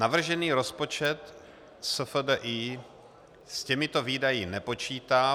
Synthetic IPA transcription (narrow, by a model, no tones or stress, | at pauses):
navr̩ʒɛniːɾo̞spo̞t͡ʃɛt̪ | səfədəʔiː | scɛmɪt̪oviːdajɪnɛpo̞t͡ʃiːt̪aː